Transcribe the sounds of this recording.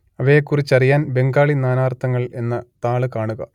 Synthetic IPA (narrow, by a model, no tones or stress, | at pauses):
ɐʋɐjekːurit͡ɕːɐrijaːnbe̞ŋɡaːɭinaːnaːrt̪ʰːɐŋːɐɭe̞nːɐt̪aːɭɨkaːɳuɣɐ̰